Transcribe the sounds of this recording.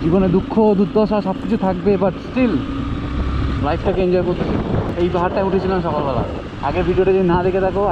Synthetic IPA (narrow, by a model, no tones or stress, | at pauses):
d͡ʒibɔned̪ukʰːod̪ud̪ʱɔsaʃɔb̚kit͡ɕʰut̪ʰak̚bebaʈsʈil | lajpʰʈʰakeind͡ʒɔjkoɾt̪ʰit͡ɕʰil̰ejbaɦaɾʈauʈʰit͡ɕʰilanʃɔkɔlbɛla̰ | aɡebʱiɖioʈed͡ʒod̪inad̪ekʰet̪ʰako